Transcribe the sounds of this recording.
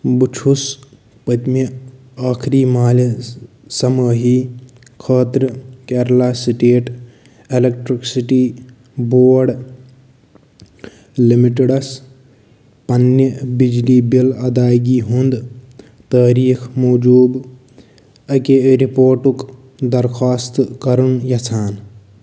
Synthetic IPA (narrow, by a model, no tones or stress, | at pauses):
but͡ʃʰus | pɐt̪me | aːkʰɾiːmaːl | sɐməːɦiː | kʰaːt̪ɾkeːɾlaːsiʈeːʈ | elek̚ʈɾiksiʈiː | boːɽ | limiʈeɽɐs | pɐnːəbid͡ʒliːbilɐd̪aːjɡiːɦund̪ | t̪əːɾiːkʰmoːd͡ʒuːb | ɐkeɾipoːɾʈuk | d̪ɐɾkʰaːst̪kɐɾunjɐt͡sʰaːn